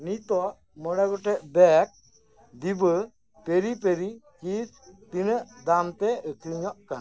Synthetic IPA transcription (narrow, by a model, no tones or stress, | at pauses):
nit̪ɔʔ | mɔɽɛɡɔʈɛʔbɛk̚ | d̪ibə | peɾip̬eɾikis | t̪inəd̪amt̪eəkiɲɔʔkan